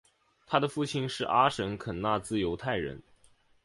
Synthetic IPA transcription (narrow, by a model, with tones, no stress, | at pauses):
t̪ʰa˥d̪ə˨fu˥˩t͡ɕʰi˥nʂɻ̩˥˩ʔa˥ʂə˧˥nkʰə˨˩nna˥˧t͡sɹ̩˥˩jo˧˥ʊt̪ʰa˥˩ɪɻə̰˧˥n